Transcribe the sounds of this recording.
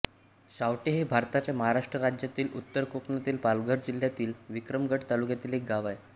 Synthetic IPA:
ɕawʈeɦebʱaɾt̪at͡ɕjaməɦaɾaʂʈɾəɾad͡ʑjat̪iːlut̪ːəɾkokɳat̪iːlpalɡəɾd͡ʑil̤jat̪iːlʋikɾəmɡʱəʈt̪alukjat̪iːlek̚ɡaʋaj

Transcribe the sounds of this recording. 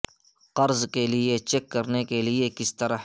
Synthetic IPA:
qɐɾzkeliet͡ʃekːɐɾnekeliekɪst̪ɐɾə

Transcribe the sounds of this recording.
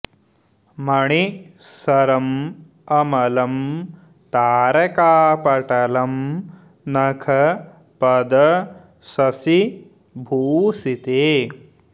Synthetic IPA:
mɐɳisɐɾɐm | ɐmɐlɐm | t̪aːɾɐkaːpɐʈɐlɐm | nɐkʰɐ | pɐd̪ɐ | sɐsi | bʱuːsit̪eː

